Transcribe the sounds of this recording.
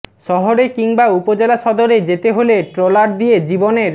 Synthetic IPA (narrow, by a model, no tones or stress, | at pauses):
ʃɔɦoɾekiŋbaupod͡ʑelaʃɔd̪oɾed͡ʑet̪eɦoleʈɾolaɾd̪ied͡ʑiboneɾ